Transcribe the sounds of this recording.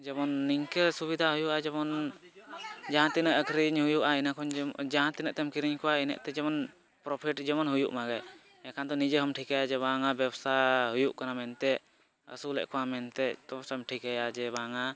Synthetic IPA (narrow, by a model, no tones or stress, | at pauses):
d͡ʒɛbɔnːiŋkəsubid̪ʱaɦujuʔad͡ʒɛbɔn | d͡ʒaɦãt̪inəʔəkʰɾiɲɦujuʔainakʰɔɲd͡ʒaɦãt̪inəʔt̪ɛmkiɾiɲkʰɔwainə̰ʔt̪ɛd͡ʒɛmɔn | pɾɔpʰiʈd͡ʒɛmɔnɦujuʔmaɡɛ | ɛkʰand̪ɔnid͡ʒəɦəmʈʰikajad͡ʒɛbaŋabɛbsaɦujuʔkanamɛnt̪ɛʔ | ə̰sulɛ̰ʔkʰɔwamɛnt̪ɛt̪ɔsamʈʰikajad͡ʒɛbaŋa